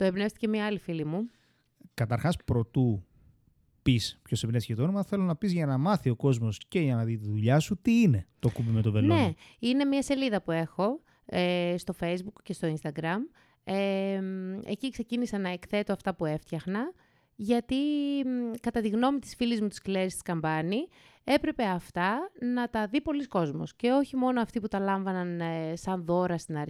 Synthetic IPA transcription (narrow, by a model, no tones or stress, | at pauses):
t̪oepnefst̪i̥ce̞miɐɐlifilimu | kɐt̪ɐɾxɐspɾo̞t̪u | pispço̞sepnesçet̪onomɐθe̞lo̞nɐpizʝɐnɐmɐθio̞ko̞zmo̞sce̞ʝɐnɐðit̪iðuʎɐsut̪iine̞t̪okupime̞t̪ovelone̞ine̞miɐse̞liðɐpue̞xo̞ | est̪o̞fe̞jzbukce̞st̪o̞inst̪ɐɡɾɐm | eme̞̰cikse̞cinisɐnɐekθe̞t̪oɐft̪ɐpue̞ft̪çɐxnɐ | ʝɐt̪i | kɐt̪ɐt̪iɣno̞mit̪i̥sfilizmut̪i̥scileɾist̪i̥skɐmbɐni | e̞pɾe̞pe̞ɐft̪ɐnɐt̪ɐðipo̞lisko̞zmo̰sce̞o̞çimo̞no̞ɐft̪iput̪ɐlɐɱvɐnɐnsɐnðo̞ɾɐst̪inɐɾ